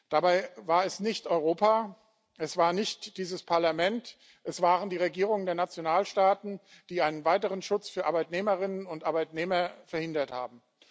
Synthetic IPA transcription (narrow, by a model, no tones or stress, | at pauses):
d̥abaɪvaːɐɛsnɪçtʔɔʏʁoːpaː | ʔɛsv̥aːɐnɪçt̚d̥iːzəspʰaɐlamɛnt | ʔɛsv̥aːʁəndiːʁeɡiːʁ̞ʊŋəndeːɐnat͡sjonaːlʃtaːtn̩ | d̥iːaɪnənvaɪtəʁ̞ənʃʊt͡sfyːɐʔaɐbaɪtneːməʁɪnənʊntʔaɐbaɪtneːmɐfɛɐhɪndɐtha̰ːbm̩